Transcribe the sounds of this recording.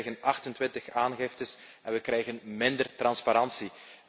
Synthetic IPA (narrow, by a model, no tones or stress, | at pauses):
ɣənʔɑxtəntwɪntəxaːnɣɪftəs | ɛnʋəkɾɛjɣənmɪndərtrɑnspaɾɑnsi